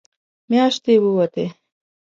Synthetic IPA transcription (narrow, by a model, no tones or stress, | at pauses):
mjɑːʃt̪ewəwɐt̪e